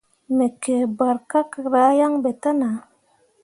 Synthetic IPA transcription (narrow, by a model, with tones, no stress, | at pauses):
me˨ke˨ba˨ɾka˦ka˨ɾa˨˦ja˦ŋbe˨t̪a˦na˨